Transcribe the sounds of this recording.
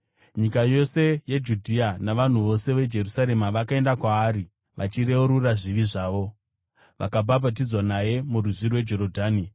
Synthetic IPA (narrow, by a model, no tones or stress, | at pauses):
ɲikajo̞se̞jed͡ʒudʱianaʋan̤uʋo̞se̞ʋe̞d͡ʒe̞rusaɾe̞maʋakae̞ndakwaːri | ʋʔa̰t͡ʃiɾe̞uɾuraʐiʋiʐaːʋo̞ | ʋʔa̰kabʱabʱat̬id͡zwanaje̞muruzirwe̞d͡ʒo̞ɾodʱaːni